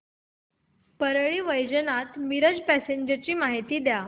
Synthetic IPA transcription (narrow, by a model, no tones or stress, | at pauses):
pəɾɭiːʋəjd͡ʑənat̪miɾəd͡ʑpæseɲd͡ʑət͡ɕiːmaɦit̪iːd̪ja